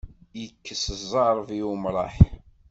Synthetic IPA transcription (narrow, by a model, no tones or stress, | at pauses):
jəkːəsəzˤɑɾˤviumɾˤɑ̰ħ